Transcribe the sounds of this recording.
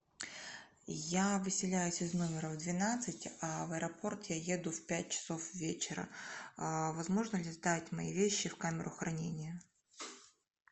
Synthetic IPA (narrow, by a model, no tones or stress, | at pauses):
javɨsʲɪlʲæjʊsʲɪzno̞mʲɪɾəvd̪vʲɪnat̪sɨtʲɐvəɛɾɐpʰo̞rt̪jajed̪ʊfpʲæt̚ʲt͡ɕɪ̥so̞fvʲet͡ɕɪɾə̰ | vɐzmo̞ʐnəlʲɪzd̪atʲmɐ̰ḭvʲeɕːɪfkamʲɪɾʊxɾɐnʲenʲɪjə